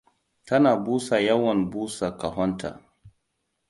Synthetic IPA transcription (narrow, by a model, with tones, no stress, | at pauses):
ta˦naː˨buː˦sa˨ja˦wɔ˨nbuː˦sa˨ka˨ɦɔ˦ntʰa̰˨